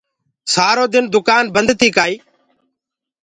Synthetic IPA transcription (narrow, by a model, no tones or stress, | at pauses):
saːɾoːd̪ɪnd̪ʊkaːnbənd̪t̪ʰiːkaːiː